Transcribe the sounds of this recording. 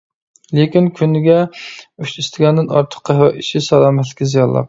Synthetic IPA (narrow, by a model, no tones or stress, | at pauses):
lekʲinkʲʰynːɪɡʲɛyʃist̪ʰɪɡʲɛnd̪ɪnɑ̰ɾt̪ʰə̥qːɑɦwɛiʃɪsɛlˠɑːmɛt̪lɪkʲizijɑnlˠɑ̰q